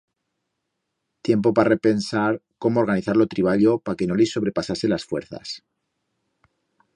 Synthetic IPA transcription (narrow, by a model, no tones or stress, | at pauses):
t̪je̞mpo̞pare̞pe̞nsaɾko̞moɾɣaniθaɾlo̞t̪ɾiβaʎo̞pake̞no̞liso̞β̞ɾe̞pasase̞lasfwe̞ɾθa̰s